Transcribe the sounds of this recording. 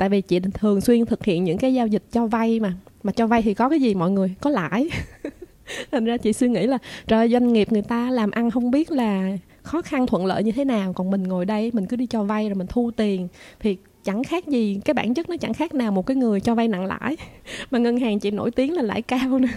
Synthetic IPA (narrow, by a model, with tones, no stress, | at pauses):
t̪a̰ː˧˨jvi˨˩t͡ɕḭ˧˨t̪ʰɨ˨˩əŋswi˧ənt̪ʰɨ˨˩k̚hḭ˧˨ənɲɨ̰˧˥ŋkaː˨˦jzaː˧wzï˨˩k̟̚t͡ɕɔ˧va˧jmaː˨˩maː˨˩t͡ɕɔ˧va˧jt̪ʰi˨˩kɔ˨˦kaː˨˦jzi˨˩mɔ̰˧˨jŋɨ˨˩əjkɔ˨˦la̰ː˧˨j | t̪ʰa˨˩ŋ̟zaː˧t͡ɕḭ˧˨swi˧əŋḭ˧˥laː˨˩t͡ɕə̰˧˩˨jzwa˧jŋŋi˨˩əp̚ŋɨ˨˩əjt̪aː˧laː˨˩mʔa˧nɦə˧wŋ͡mɓi˦˥ət̚laː˨˩ | xɔ˨˦xa˧nt̪ʰwə̰˧˨nlə̰ː˧˨jɲɨ˧t̪ʰe˨˦naː˨˩wkɔ˨˩nmï˨˩ŋ̟ŋo˨˩jɗə˧jmï˨˩ŋ̟kɨ˨˦ɗi˧t͡ɕɔ˧va˧jzo˨˩jmï˨˩ŋ̟t̪ʰu˧t̪i˨˩ənt̪ʰi˨˩ | t͡ɕa˧˩ŋxaː˦˥k̚zi˨˩kaː˨˦jɓa̰ː˧˩nt͡ɕə˦˥t̚nɔ˨˦t͡ɕa˧˩ŋxaː˦˥k̚naː˨˩wmo˨˩t̚kaː˨˦jŋɨ˨˩əjt͡ɕɔ˧va˧jna̰˧˨ŋla̰ː˧˥jmaː˨˩ŋə˧nɦaː˨˩ŋt͡ɕḭ˧˨no̰˧˥˩jt̪i˨˦əŋlaː˨˩la̰ː˧˩jkaː˧wnɨ˨˦